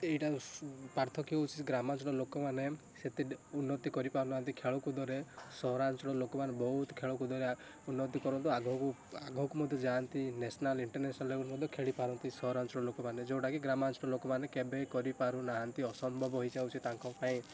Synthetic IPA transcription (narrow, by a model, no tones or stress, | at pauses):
eʈapaɾt̪ʰɔkiɔwt͡ʃʰi̥ɡɾamant͡ʃɔɽ̃ɔlokɔmane | set̪eunːɔt̪ikɔɾipaɾunaɦant̪̬ikʰeɭɔkud̪ʱɔɾesɔɾant͡ʃɔɽɔlokɔmanebɔɦut̪kʰeɭɔkud̪ʱɔɾe | unːɔt̪ikɔɾɔnt̪̬ɔaɡʱɔku | aɡʱɔkumɔd̪ʱjɔd͡ʒant̪inesɔnaliɳʈɔɾnesɔnaleɡɔkmɔd̪ʱjɔkʰeɭipaɾɔnt̪isɔɾant͡ʃɔɽ̃ɔlokɔmaned͡ʒewʈakiɡɾamant͡ʃɔɽ̃ɔlokɔmanekebekɔɾipaɾunaɦant̪iɔsɔmbʱɔbɔɦojd͡ʒawt͡ʃʰit̪aŋkɔpaĩ